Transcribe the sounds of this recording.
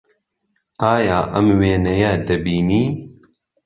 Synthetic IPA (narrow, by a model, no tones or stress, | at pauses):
aːjaːʔɐmweːnɛjad̪ɐbiːniː